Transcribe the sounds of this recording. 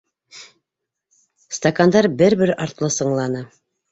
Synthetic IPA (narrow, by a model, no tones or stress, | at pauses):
st̪ɐkand̪ɑɾbɘɾbɘɾɑɾt̪lˠɤsɤ̆ɴlˠɑnɤ